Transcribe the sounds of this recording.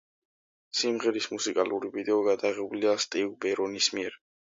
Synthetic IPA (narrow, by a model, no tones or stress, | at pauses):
simʁɛɾismusikʼaluɾivid̪ɛɔɡad̪aʁɛbuliast̪ʼivbɛɾɔnismiɛɾ